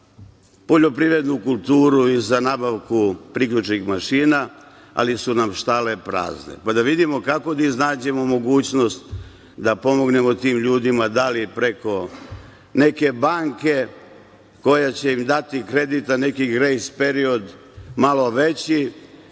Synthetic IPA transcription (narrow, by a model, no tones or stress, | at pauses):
po̞ʎo̞pɾiʋɾe̞d̪nukulˠt̪uːɾuizanaːbaʋkupɾikʎut͡ʃnixmaʃiːna | a̰lisunamʃt̪ale̞pɾa̰ːznḛpad̪aʋid̪imo̞kako̞d̪aiznaːd͡ʑe̞mo̞mo̞ɡuːt͡ɕno̞st̪ | d̪apo̞mo̞ɡne̞mo̞t̪iːmʎuːd̪imad̪alipɾe̞ko̞ | ne̞ke̞baːŋke̞ | ko̞jat͡ɕe̞imd̪at̪ikɾe̞d̪it̪ane̞kiɡɾejspe̞ɾio̞d̪ | malo̞ʋet͡ɕi